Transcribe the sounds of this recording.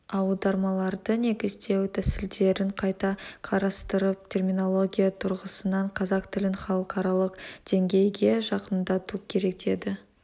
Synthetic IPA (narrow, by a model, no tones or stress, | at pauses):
ɑwlˠd̪ɑɾmɑlˠɑɾd̪əne̞ɡʲɪzd̪e̞wt̪ʰæsɪld̪e̞ɾɪɴqʰɑjt̪ɑqʰɑɾɑst̪əɾəp̚t̪ʲʰe̞rmʲijno̞lˠo̞ɡʲijat̪ʰʊɾʁəsənɑɴqʰɑzɑqt̪ʰɪlɪɴχɑlˠəqɑɾɑlˠəqd̪̥e̞ŋɡʲe̞jɡʲe̞ʒɑqənd̪ɑt̪ukʲʰe̞ɾe̞k̚d̪e̞d̪ɪ